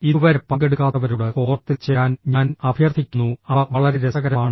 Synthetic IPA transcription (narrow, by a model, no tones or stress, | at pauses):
iuʋɐɾepːɐŋɡe̞ɽukːaːt̪ːɐʋɐɾuɽeko̞ːrɐt̪ːilt͡ɕeːjaːnɲaːnɐbʱijɐrt̪ʰːikʲːunːuɐʋɐɭɐɾeɾesɐɣɐɾɐmaːɳɨ